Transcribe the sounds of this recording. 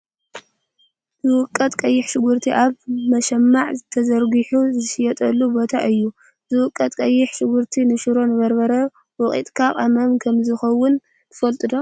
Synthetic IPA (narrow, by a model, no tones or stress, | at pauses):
zɨwʊkʼːɐt̪ʼkʼɐjːɪħʃɪɡuɾt̪ʰiʔaβmɐʃɐmːaʕzɨt̪ʰɐzɐɾɡɨħuzɨʃɪjɛt̪ʼɐlːubo̞t̪ʰaʔɨjːu | zɨwʊkʼːɐt̪ʼkʼɐjːɪħʃɪɡuɾt̪ʰinɨʃɨɾo̞nɨβɐɾbɐɾɐ | wɔχʼḭt̪ʼkʰaqʼɐmɐmkʰɐmzɨxɐwʊn | t̪ʰɨfɐlt̪ʼɨd̪o̞